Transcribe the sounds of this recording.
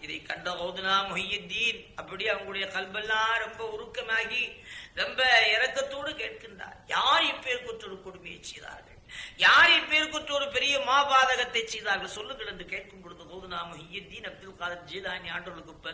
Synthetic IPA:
ɪðɐɪkːɐɳɖɐɣɐːðɯnaːmʊɦɪjːɐd̪ːiːn | ɐpːɐɽiɐʋɐŋɡɐɭʊɽɐjɐkɐlbɛlːãːɾɛmbɐʊɾʊkːɐmaːɣiɾɛmbɐɪɾɐkːɐt̪ːoːɽɯkeːʈ̚kɪɳdra̰ːɾjaːɾɛpːeːɾkɔʈːɔɾɯkɔɽʊmɐjɐ̰ɪt͡ʃːɛjða̰ːɾɣɐ̰ɭjaːɾɛpːeːɾkɔʈrɔɾɯpɛɾɪjɐmaːbaːðɐɣɐt̪ːɐɪt͡ʃːɛjðaːɾɣɐɭsɔlːɯŋɡɐɭɛnd̪ɯkeːʈ̚kɯmpɔɽɯnd̪ɐɣɐːðɯnaːmʊɦɪjːɐd̪ːiːnɐb̚d̪ɪlkaːðɐt̪̚d͡ʒiːðaːnaːʈɯɔɭɯkːɯpːɐ

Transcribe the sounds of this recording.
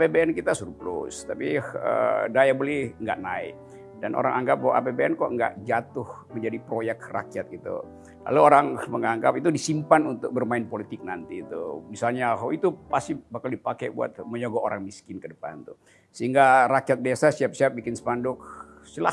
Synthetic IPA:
bebeɛnkit̪asuɾuplṵst̪apiə̰dajabolɛhŋɡa̰ʔnaɪ̰k̚ | danʔo̰ɾa̰ŋaŋɡap̚bawaʔa̰pebeɛnkɔʔŋɡa̰ʔd͡ʒat̪ʊh | məɲd͡ʒadipɾojɛk̚ra̰kiat̪̚ɡit̪ṵ | la̰luoɾaŋməŋaŋɡap̚it̪udisimpanunt̪ʊk̚bərmaɪnpolit̪ɪk̚nant̪iːt̪ṵmisalɲaɦwit̪upasibahkaldipakɛbṵa̰t̪̚məɲoɡɔʔoɾaŋmiskɪnkədəpa̰nt̪u | səɦiŋɡaɾakijat̪̚desasiap̚siap̚bikɪnsə̥pandʊk | səla̰

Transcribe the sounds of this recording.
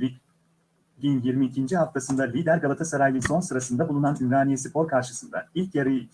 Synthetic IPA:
i | ɟinjiɾmiːcʰind͡ʒiɦaft̪ʰasɯnd̪alʲid̪æɾɡabat̪ʰasaɾajlˠɯso̞nsɯɾasɯnd̪abulˠunanimɾaːnijesipʰo̞ɾkʰaɾʃɯsɯnd̪a̰ilʲcjaɾɯj

